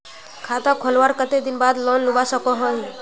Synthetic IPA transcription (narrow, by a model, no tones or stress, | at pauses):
kʰat̪ãkʰolʋaɾkət̪ed̪ɪnbaːd̪lɔnlubasəkɔɦɔ